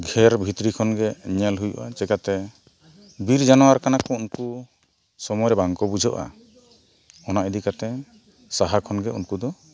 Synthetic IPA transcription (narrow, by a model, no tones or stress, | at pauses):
ɡʱɛɾbʱit̪ɾikʰɔnɡɛɲɛlɦujɔ̰ʔat͡ʃɛkat̪ɛ | biɾd͡ʒanɔwaɾkanakɔunku | sɔmɔjɾɛbaŋkɔbud͡ʒʱɔʔa̰ | ɔnaʔɛd̪ikat̪ɛ | saɦakʰɔnɡɛṵnkud̪ɔ